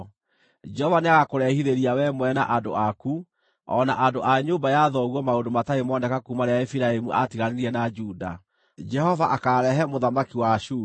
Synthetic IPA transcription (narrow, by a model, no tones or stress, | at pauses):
d͡ʒɛɔvaneaɣakoɾɛhiɾeɾiawɛmwɛna̰ʔandoaku | ɔ̰naʔandoʔaɲoːbajaðɔɣwɔmaondomataemɔndɛkakumaɾeaefiɾaemuʔa̰tiɣaneɾiɛnad͡ʒuda̰ | d͡ʒɛhɔvaʔakaɾɛɦɛmoðamakiwaʃuː